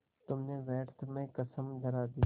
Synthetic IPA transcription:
t̪ʊmnẽːʋɛːʈt̪ʰmẽːkəsəmd̪əɾaːd̪iː

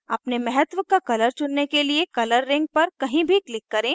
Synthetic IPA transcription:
ɐpnemɛɦət̪ʋkakɐləɾt͡ʃʊnːekeliekɐləɾːɪ̃ŋɡ̚pɐɾkɐɦĩbʱiklɪkːɐɾẽː

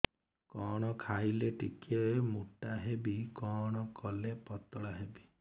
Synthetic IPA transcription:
kɔɽ̃ɔkʰajleʈikɔemuʈaɦebikɔɽ̃ɔkɔlepɔt̪ɔɽaɦebi

